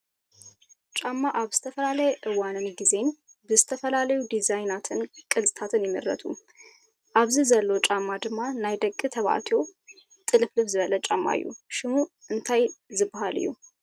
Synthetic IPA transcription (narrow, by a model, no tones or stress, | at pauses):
t͡ʃʼamːaʔaβzɨ̥t̪ʰəfəlalajɛʔɨwanɨnɡize̞n | bɨzɨ̥t̪ʰəfəlaləjud̪izajnat̪ʰɨnkʼɨlsʼt̪ʰat̪ʰɨnjɛmə̰ɾːə̰t̪ʰṵ | ʔaβzɨzəlːot͡ʃʼamːad̪ɨmːanajd̪əkʼːɨt̪ʰəβa̰t̪ʰo̞ | t̪ʼɨlɨflɨβzɨβələt͡ʃʼamːa̰jṵʃɪmuɨnt̪ʰajzɨbɦalɨ̰jːṵ